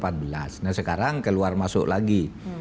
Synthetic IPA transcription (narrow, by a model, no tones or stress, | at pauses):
pat̪̚bəlasnasəkaɾaŋkəluarmasʊ̰ʔlaɡi